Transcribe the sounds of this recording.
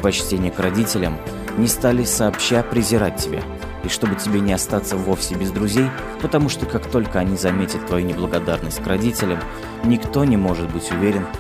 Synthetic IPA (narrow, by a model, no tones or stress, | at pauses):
pɐt͡ɕtʲenʲɪjəkrɐdʲitʲɪlʲəm | nʲɪst̪alʲɪsɐːpɕːapɾʲɪzʲɪɾat̚ʲtʲːɪbʲḛ | iʂt̪o̞bɨtʲɪbʲenʲɪɐst̪at̪səvo̞fsʲɪbʲɪzd̪ɾʊzʲej | pət̪ɐmuʂt̪okakt̪o̞lʲkəɐnʲizɐmʲetʲət̪ːvɐjunʲɪblˠəɡɐd̪arnəsʲt̚ʲkrɐdʲitʲɪlʲəm | nʲɪkt̪o̞nʲɪmo̞ʐɨt̪bɨtʲʊvʲeɾʲɪn